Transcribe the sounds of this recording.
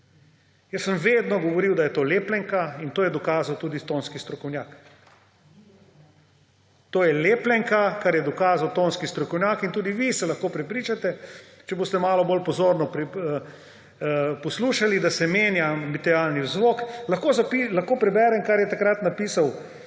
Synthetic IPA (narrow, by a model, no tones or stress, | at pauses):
jəsːəmʋed̪nɔɡɔʋɔɾiwd̪ajɛt̪oːleːplɛŋkaint̪oːjɛd̪ɔkaːzawt̪uːd̪ist̪oːnskist̪ɾɔkɔwnjaːk | t̪oːjɛleːplɛŋkakaɾjɛd̪ɔkaːzawt̪oːnskist̪ɾɔkɔwnjaːkint̪uːd̪iʋisɛlɐxkopɾɛpɾiːt͡ʃat̪ɛt͡ʃɛboːst̪ɛmaːlɔbolpɔzoːɾnɔpɾ | pɔsluʃalid̪asɛmeːnjamit̪ɛɾjalniwzʋoklɐxkozapilɐxkoːpɾɛbɛːɾɛmkaɾjɛt̪akɾat̪napiːsaw